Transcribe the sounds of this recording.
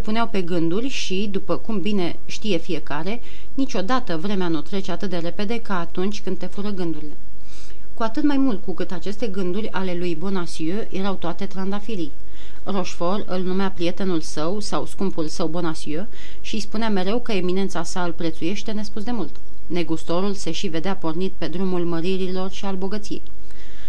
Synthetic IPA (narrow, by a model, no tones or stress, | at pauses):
epuneawpe̞ɡɨnd̪urʲʃid̪upəkumbine̞ | ʃt̪ije̞fije̞kaɾe̞ | nit͡ʃʲo̞d̪at̪əvɾe̞meanut̪ɾe̞t͡ʃe̞at̪ɨt̪̚d̪e̞ɾe̞pe̞d̪e̞kaːt̪unt͡ʃʲkɨnd̪t̪e̞fuɾəɡɨnd̪uɾile̞ | kuat̪ɨt̪majmult̪̚kukɨt̪at͡ʃe̞st̪e̞ɡɨnd̪urʲale̞lujbo̞nasiøjʔe̞ɾawt̪oat̪e̞t̪ɾand̪afiɾij | ro̞ʃfo̞rɨ̰lnumeapɾije̞t̪e̞nulsəwsawskumpulsəwbo̞nasiø | ʃispuneame̞ɾe̞wkəe̞mine̞nt̪sasaɨlpɾe̞t̪suje̞ʃt̪e̞ne̞spusd̪e̞mult̪ | ne̞ɡust̪o̞ɾulse̞ʃive̞d̪eapo̞rnit̪pe̞d̪ɾumulməɾiɾilo̞rʃialbo̞ɡət̪siḛj